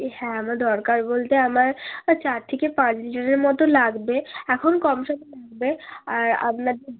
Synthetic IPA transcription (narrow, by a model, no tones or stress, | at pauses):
hɛ̃amaɾd̪ɔɾkaɾbolt̪eamaɾt͡ɕaɾt̪ʰekepãt͡ɕliʈaɾeɾmɔt̪olaɡbeɛkʰonkɔmʃɔt̪elaɡ̚beaɾa̰pnad̪e